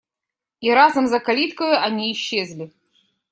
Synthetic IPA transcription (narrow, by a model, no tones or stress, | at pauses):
iɾazɐmzɐkalʲit̪kəjʊʔɐnʲiːɕːezʲlʲɪ